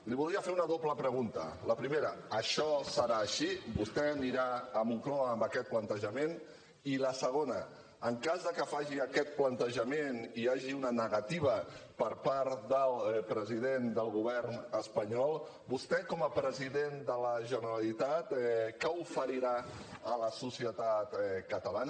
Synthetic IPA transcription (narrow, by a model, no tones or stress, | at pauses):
liβulˠd̪ɾiəfeɾunəðopləpɾəɣunt̪ə̰ləpɾimeɾəəʃɔsəɾaːʃibust̪ɛniɾaəmuŋklɔəmbəkɛt̪̚plənt̪əʒəmen | iləsəɣ̞onə | əŋkazðəkəfaʒiəkɛt̪̚plənt̪əʒəmeniaʒiunənəɣɐt̪iβ̞əpəɾpaɾt̪d̪əlˠpɾəziðend̪əlˠɣuβɛrnəspəɲɔlˠ | bust̪ɛkɔməpɾəziðend̪ələʒənəɾalit̪at̪kəufəɾiɾaələsusiət̪at̪kət̪əlanə